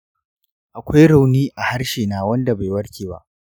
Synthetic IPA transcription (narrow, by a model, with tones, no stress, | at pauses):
ʔa˨kʷa˦jɽa˨wniː˦ʔa˨ha˦ɽʃeː˨naː˨wɐ˦nda˨ba˨jwɐ˦ɽkʲeː˨ba̰˦ʔ